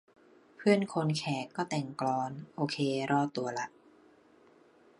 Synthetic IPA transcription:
pʰɯ˥˩ənkʰo˧nkʰɛː˩˦kːɔː˥˩t̪ɛ˨˩ŋklɔː˧nʔoː˧kʰeː˧ɾɔː˥˩t̪ːu˧ɐla˨˦˥t̪̚

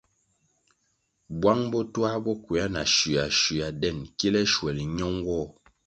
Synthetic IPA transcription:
bwa˦ŋbɔ˦twa˦bɔ˦kwi˨a˦na̰˨ʃi˨a˨ʃi˨a˨dɛ˦˨nki˦lɛ˦ʃwɛ˨li˨ɲɔ˦ŋɡwɔ˦˨

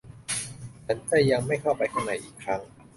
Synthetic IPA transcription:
t͡ɕʰa˦˥nt͡ɕaː˥˩ja˧ŋma˥˩jkʰa˥˩wpa˧jkʰa˧˩nːa˨˩˦jʔiː˨˩kʰɾa˦˥ŋ

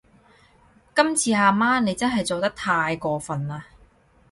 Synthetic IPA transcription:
kɐ˥mt͡sʰiː˨˧haː˨˩maː˥ne˨˧jt͡sɐ˥nɦɐ˨jt͡so˨wt̪ɐ˥k̚t̪ʰaː˧jkɔː˧fɐ˨naː˧

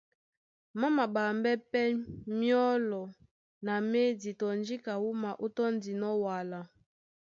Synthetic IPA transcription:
ma˦ma˨ba˨mbɛ˦pɛ˦mjɔ˦lɔ˨ | na˨me˦di˨tɔ˨nd͡ʒi˦ka˨wu˦ma˨ʔo˦tɔ˦n˦di˨nɔ˦wa˨la˨

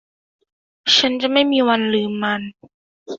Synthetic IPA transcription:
t͡ɕʰa˦˥nt͡ɕa˨˩ma˥˩jmiː˧wa˧nlɯː˧mːa˧n

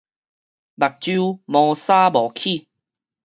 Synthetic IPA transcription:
ba˨˩k̚t͡ɕu˦mɔ˧saː˦bɔː˨˩kʰi˥˧˨

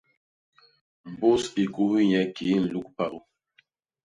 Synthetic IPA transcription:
m̩˨bo˦si˨ku˦hɲɛ˨ki˨˦n̩˨lu˦k̚pa˦˨ʔu˦

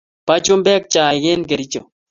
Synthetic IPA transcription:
pa˦t͡ʃu˦mbɛ˦k̚t͡ʃaː˨ɡe˦nɡe˨ɾi˦t͡ʃo˨

